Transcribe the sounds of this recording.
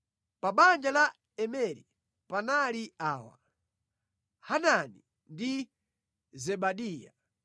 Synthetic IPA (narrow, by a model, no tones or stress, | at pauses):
paɓand͡ʒala | ɛmɛɾḭ | panaliaːwa̰ | hanani | ndi | zɛɓaɗiːja̰